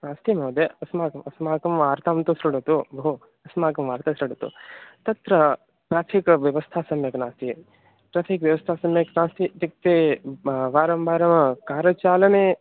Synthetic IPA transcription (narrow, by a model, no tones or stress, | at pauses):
naːst̪imɐːd̪eɐsmaːkɐmɐsmaːkɐmʋaːɾt̪aːmt̪usɾɐɽɐt̪ubɐɦu | ɐsmaːkɐmʋaːɾt̪asɾɐɽɐt̪ṵt̪ɐt̪ɾɐ | pɾaːpʰikʋjɐʋɐst̪ʰaːsɐmjɐknaːst̪i | pɾat̪ʰikʋjɐʋɐst̪ʰaːsɐmjɐknaːst̪it̪ik̚t̪e | ʋaːɾɐmbaːɾɐmkaːɾɐt͡ʃaːlɐne